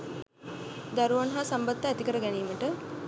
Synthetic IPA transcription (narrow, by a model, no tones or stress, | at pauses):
d̪aɾuʋanɦasambad̪ːəːt̪ikəɾəɡɛniːməʈə